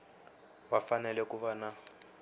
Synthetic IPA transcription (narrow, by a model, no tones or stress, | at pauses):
wafanɛlɛkuβana